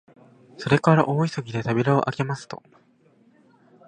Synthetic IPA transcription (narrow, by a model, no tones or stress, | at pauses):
so̞ɾe̞kaɾaʔo̞ːisoɡʲid̪e̞t̪abʲiɾaoʔake̞masɨ̥t̪o̞̰